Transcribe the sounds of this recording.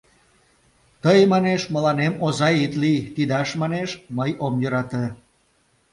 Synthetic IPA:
t̪əjmɑneʃməlɑnemozɑjit̪lit̪id̪ɑʃmɑneʃməjomjøɾɑt̪ə

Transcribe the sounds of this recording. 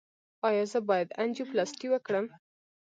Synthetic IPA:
ɑjɑzəbɑjad̪and͡ʒiplɑst̪iwəkɽəm

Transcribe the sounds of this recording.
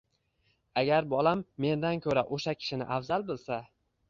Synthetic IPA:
aɡʲaɾbɒlamːe̞nd̪ankʲʰɵɾaʔoʃakʲʰɪ̥ʃɪnɪ̰ʔafzalˠbɪlˠsa

